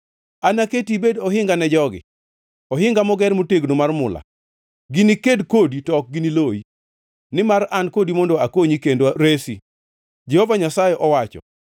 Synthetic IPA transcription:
anaketibedɔɦɪŋɡanɛd͡ʒɔɡɪ̰ | ɔɦɪŋɡamɔɡɛɾmoteɡnomarmʊla̰ | ɡɪnikedkoditɔk̚ɡɪniloi | nɪmarankodimɔndoakoɲikendoɾesi | d͡ʒɛhɔvaɲasajɛʔɔwat͡ʃɔ̰

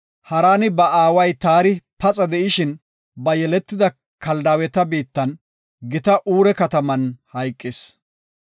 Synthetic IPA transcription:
hɐɾaːnɪbɐaːwɐjt̪aːɾɪpɐt͡sʼɐd̪ɛʔɪʃɪn | bɐjɛlɛt̪ːɪd̪ɐ | kɐld̪aːwɛt̪ɐbiːt̪ːɐn | ɡɪt̪ɐʔuːɾɛkɐt̪ɐmɐnhɐjkʼːɪs

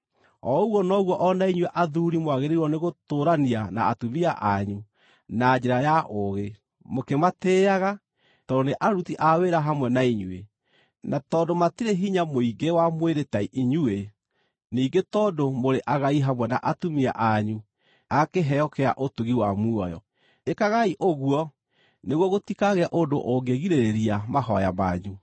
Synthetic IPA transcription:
ɔuɣwɔnɔɣwɔʔɔnaiɲwɛʔaðuɾimwaɣeɾewɔneɣotoːɾaniana̰ːtumiaʔaɲu | nad͡ʑeɾajaʔoɣe | mokemateːaɣa | tɔdoneʔaɾutiʔaweɾaɦamwɛnaiɲuḛ | natɔːdomatiɾeɦiɲamoiɡewamweɾetaiʔiɲue | niːɡetɔdomoɾeʔaɣaiɦamwɛnaʔatumia̰ʔaɲu | akeɦɛɔkɛa̰ʔotuɣiwamuɔjɔ̰ | ekaɣaiʔoɣwɔ | neɣwɔɣotikaɣeaʔodo̰ʔoɡeɣiɾeɾeɾiamaɦɔja̰ma̰ɲu

